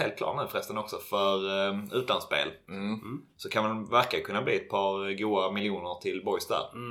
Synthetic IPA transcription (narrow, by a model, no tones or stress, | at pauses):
eːlt̪klɑ̰ːʈnʉ̟ːfɾɛst̪ənɔksɔfœɾʉ̟ːt̪lanspḛːl | sɔkʰanmanvæɾkakʰɵnːabliːɛt̪̚pʰɑːɾɡuːamɪlɪuːnəʈʰɪlbɔjsd̪æ̰ːɾ